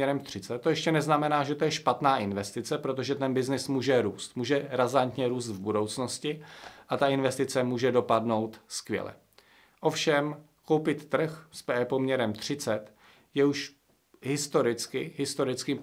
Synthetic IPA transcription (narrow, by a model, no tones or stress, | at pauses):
ɛɾɛmt̪r̥ɪt͡sɛt̪t̪ːo̞jɛʃcɛnɛznamɛnaːʒɛt̪o̞jɛʃpat̪naːʔɪnvɛst̪ɪt͡sɛpɾo̞t̪̬o̞ʒɛt̪ɛnbɪznɪsmuːʒɛɾuːst̪muːʒɛɾazant̪ɲɛɾuːst̪vbudo̞wt͡sno̞scɪʔat̪aɪnvɛst̪ɪt͡sɛmuːʒɛdo̞padno̞wt̪skvjɛ̰lɛ̰ | ʔo̞fʃɛm | kowpɪt̪ːr̩xspɛpo̞mɲɛɾɛmt̪r̝̥ɪt͡sɛt̪ | jɛuʃ | ɦɪst̪o̞ɾɪt͡skɪɦɪst̪o̞ɾɪt͡skɪ